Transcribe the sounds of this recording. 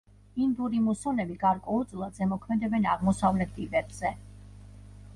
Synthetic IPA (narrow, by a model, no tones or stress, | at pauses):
ind̪uɾimusɔnɛbiɡaɾkʼwɛud̪sʼlˠad̪zɛmɔkʰmɛd̪ɛbɛnaʁmɔsavlɛt̪̚ʰt̪ʼivɛbz̥ɛ